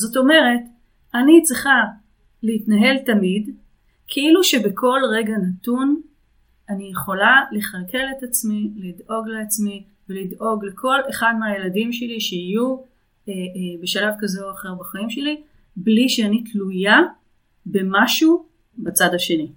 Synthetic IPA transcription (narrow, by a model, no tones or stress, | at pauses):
zo̞to̞me̞ʁe̞t | anit͡sʁiχa | leitnaɦe̞ltamid | kʰeiluʃebekʰo̞lʁeɡanatun | anijeχo̞laleχalke̞le̞tat͡smilido̞ɡleat͡smi | velido̞ɡle̞kʰo̞le̞χadmeajeladimʃe̞liʃeiju | ebeʃalavkazeoaχe̞ʁbaχaimʃe̞li | bliʃeanitluja | be̞maʃu | bat͡sadaʃe̞ni